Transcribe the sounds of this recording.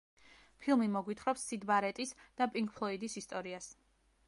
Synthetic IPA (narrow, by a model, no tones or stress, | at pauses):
pʰilˠmimɔɡwit̪ʰχɾɔpsːid̪baɾɛt̪ʼisd̪̥apʼiŋk̚ʰpʰlˠɔid̪isist̪ʼɔɾias